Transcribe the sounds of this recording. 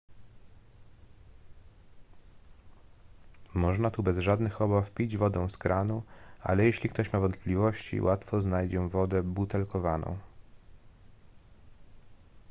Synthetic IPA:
mɔʐnat̪ubɛzʐad̪nɘxɔbafpʲid͡ʑvɔd̪ɔ̃w̃skɾʔanua̰lɛjeɕlʲikt̪ɔɕmavɔnt̪̚plʲivɔɕt͡ɕḭwʔat̪fɔznajd͡ʑɛvɔd̪ɛbut̪ɛlkɔvanɔ̰̃w̃

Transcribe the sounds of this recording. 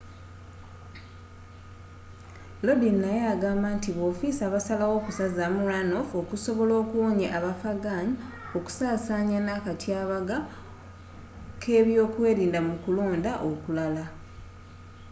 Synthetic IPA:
lo̞dinːajaːɡaːmbantiβo̞ːfisaβasalawo̞kusazamuɾanofo̞kuso̞βo̞lo̞ːkuwo̞ːɲeʔaβafaɡaːɲi | o̞ku̥saːsaɲanakatjaːβaɡa | kʰe̞ːβjo̞ːkwe̞ːɾiːndamukulo̞ːndaʔo̞kulala

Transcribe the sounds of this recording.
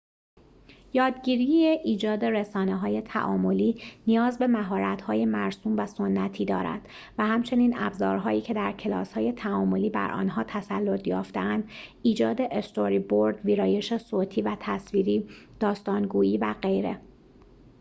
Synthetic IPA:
jɒːd̪ɟiːɾieʔiːd͡ʒɒːd̪e̞ɾe̞sɒːneɦɒːje̞t̪ʰæ̰ʔɒ̰ːmo̞liːnijɒːzbe̞mæɦɒːɾæt̪hɒːje̞mæɾsuːmvæsonːæt̪ʰiːd̪ɒ̰ːɾæ̰d̪̥ | væhæmt͡ʃʰe̞niːnæbzɒ̰ːɾɦɒːiːcʰe̞d̪æɾcʰe̞lɒ̰ːshɒːje̞t̪ʰæɒːmo̞liːbæ̰ɾʔɒ̰ːnɦɒːt̪ʰæsælːot̪ʰjɒːft̪eænd̪iːd͡ʒɒːd̪e̞ʔest̪oɾiboɾd̪viːɾɒːje̞ʃesoːt̪ʰiːvæt̪ʰæsviːɾiːd̪̥ɒːst̪ɒːnɡuːjiːvæɢe̞jɾe̞̰

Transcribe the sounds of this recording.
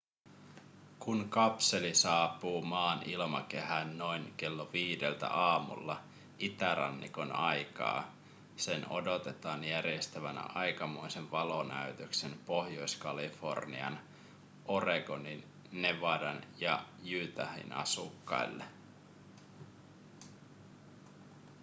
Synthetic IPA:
kunkɑpse̞lisɑːpuːmɑːnilmɑke̞ɦænːo̞jnke̞lːoʋiːdelt̪æ̰ʔɑːmṵlːɑ | ʔit̪æɾɑ̰nːḭko̞nɑjkɑ̰ː | se̞no̞̰dot̪e̞t̪ɑːnjærjest̪æʋænæ̰ʔɑjkɑmojseʋʋɑlonæyt̪øksenpohjo̞jskɑlifo̞̰rnḭɑ̰n | ʔo̞reɡoninː | eʋɑdɑnjɑjyːt̪æhḭnʔɑ̰sukːɑ̰ilːe

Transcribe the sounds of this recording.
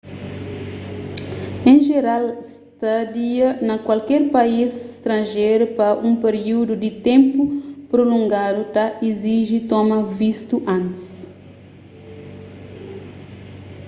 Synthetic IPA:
ẽʒeɾals | t̪ad̪iɐnɐkwalkɛɾpaisɪst̪ɾɐ̃nʒejɾupɐʔũpeɾiud̪ud̪ɪt̪ẽmpupɾolõŋɡad̪ut̪aʔiziʒit̪ɔmɐvist̪uʔɐ̃nt̪i̥s

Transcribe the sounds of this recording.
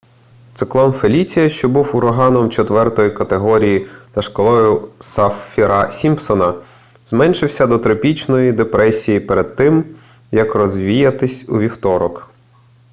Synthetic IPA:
t̪sɪklˠɔnfelʲit͡sʲijɐʃt͡ʃɔbuwʊɾɔɦɑnɔmt͡ʃɔt̪ʋɛrt̪ɔjikɐt̪eɦɔɾʲijiz̥ɐʃkɔlˠɔjʊsɐffʲiɾɑsʲimpsɔnɐ | zmɛnʲʃɪwsʲɐd̪ɔt̪ɾɐpʲit͡ʃnɔjid̪epɾʔɛsʲijipeɾed̪̚t̪ɪm | jɐkrɔzʲʋʲijɐt̪ɪsʲuʋʲiwt̪ɔɾɔk

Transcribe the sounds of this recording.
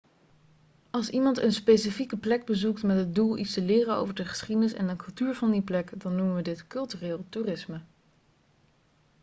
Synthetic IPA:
ɑlˠsimɑntənspejsifikəplɛɡ̚bəzuktmɛtɦəd̚dulˠḭtstəlɪːrəno̰wvəɹdəχə̥sχidənɪsɛ̰nəkɵlˠtyːɹvɑndiplɛkdɑnːumənʋədɪtkɵlˠtyrɪːlˠtuːrɪsmə

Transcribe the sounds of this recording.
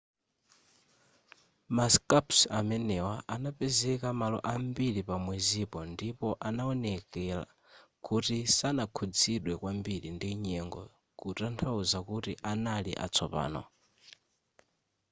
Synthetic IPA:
maskapsamɛnɛwaʔanapɛzɛkamalɔ̰ʔambiɺipamwɛzipɔndipɔʔanaɔnɛkɛla̰ | kutisanakʰud͡ziɗwɛkwambilindiɲɛŋɡɔ̰ | kutantʰauzakutiʔanalḭʔa̰t͡sʰɔpa̰ːnɔ̰

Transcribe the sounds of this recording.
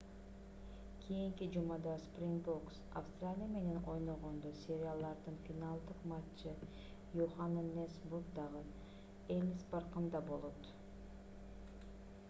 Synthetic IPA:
kʲʰijiŋkid͡ʒumɑd̪ɑsprʲinboksa̰fst̪ralʲijame̞ne̞no̞jno̞ʁond̪osʲe̞ɾʲɪalˠd̪ɑɾd̪ɯnfʲinalˠd̪ɯqmɑt͡ʃːɯ | juχannesburkd̪ɑʁɯ | elʲspɑɾqɯnd̪ɑbo̞lˠo̞t̪

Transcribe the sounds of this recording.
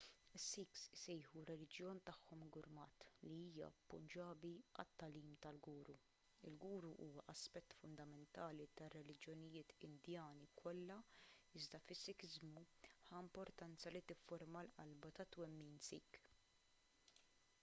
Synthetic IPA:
ɪsːiːksɪsɛjħuɾɛlɪd͡ʒjɔːnt̪ɐħːɔmɡʊɾmɐːt̪liiːjɐ̰pːʊ̰nd͡ʒɐːbiɐ̰t̪ːɐliːmt̪ɐlɡuːɾu | ɪ̰lɡuːɾuʔuːwɐʔɐspɛt̪ːfʊnd̪ɐmɛnt̪ɐːlit̪ɐrːɛlɪd͡ʒjɔnɪjɪːt̪ɪnd̪jɐːnikʰɔlːɐɪzd̪ɐfɪsːɪkɪzmu | ħɐɪmpɔɾt̪ɐnt͡sɐlit̪ɪfːɔɾmɐlʔɐ̰lbɐt̪ɐt̪wɛmːiːnsiːk

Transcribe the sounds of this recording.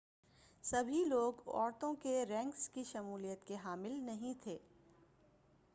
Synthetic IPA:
sɐbʱiloːɡɔ̰ːɾt̪õkeɾɛ̃ːŋkskiʃɐmuːlijət̪keɦaːmɪlnɐɦĩt̪ʰeː

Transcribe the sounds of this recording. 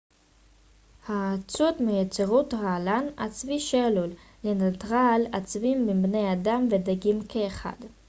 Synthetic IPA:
haːt͡sutmejet͡seʁut̪ʁaːlana̰t͡sviʃelulː | enat̪ʁalat͡svimːibnejadamvedaɡimkʰeːχa̰d

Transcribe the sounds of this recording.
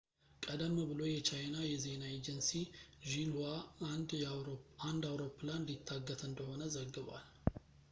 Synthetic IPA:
kʼəd̪əmːbɨlo̞jɛt͡ʃʰajnajɛze̞naed͡ʒɛnsiʒilwaand̪ | and̪awɾo̞pːɨland̪it̪ʰːaɡːət̪ʰɨnd̪əho̞nəzəɡːɨβa̰l

